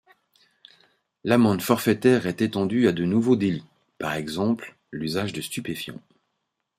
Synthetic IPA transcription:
lamɑ̃d̪fɔʁfɛt̪ɛʁɛt̪et̪ɑ̃d̪yad̪ənuvod̪eli | paʁɛɡzɑ̃pl | lyzaʒd̪əst̪ypefjɑ̰̃

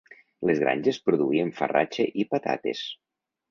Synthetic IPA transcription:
lezɣɾa̰nʲʒespɾuðuieɱfəra̰t͡ʃeʔipat̪a̰t̪ḛs

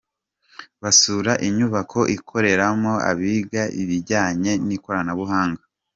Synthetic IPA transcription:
βasuːɾaʔiɲuβakʰo̞ʔikʰo̞ɾe̞ɾamo̞a̰βiɡaʔiβiɟaːɲe̞niko̞ɾanaβuɦaːŋɡa

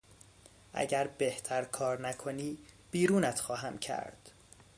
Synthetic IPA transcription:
ʔæ̰ɟæɾbe̞ht̪ʰæɾkʰɒːɾnækʰo̞niːb̥iːɾuːnæt̪ʰxɒːɦæmcʰæ̰ɾd̪̥

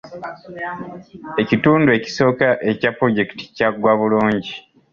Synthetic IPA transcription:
e̞cituːndue̞ci̥so̞ːkaʔe̞capːɾo̞ɟe̞ki̥ti̥caɡwaβuluːɲɟi

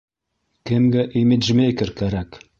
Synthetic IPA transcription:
kɘmɡæʔimɘd̪ʒmejkɘ̆ɾkæɾæk

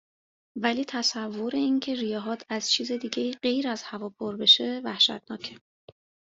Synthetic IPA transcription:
væliːt̪ʰæsævːo̞ɾe̞incʰe̞ɾijɒːɦɒːt̪ʰæz̥t͡ʃʰiːzed̪iːɟe̞iːɢe̞jɾæz̥hævɒːpʰoɾbe̞ʃe̞væhʃæ̰t̪̚ʰnɒːcʰe

